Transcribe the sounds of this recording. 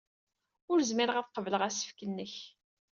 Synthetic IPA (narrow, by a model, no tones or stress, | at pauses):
ʊɾzmɪɾəʁæθqəvləʁæsə̥fkənːəç